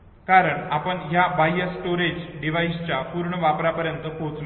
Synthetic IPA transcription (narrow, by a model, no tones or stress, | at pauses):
kaɾəɳapəɳɦjabajesːʈoɾed͡ʑɖiʋajist͡ɕjapuɾɳəʋapɾapəɾjənt̪əkʰot͡sl